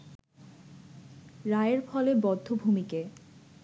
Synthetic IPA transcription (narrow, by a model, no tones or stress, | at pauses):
ɾaeɾfɔlebɔd̪ʱːobʱumike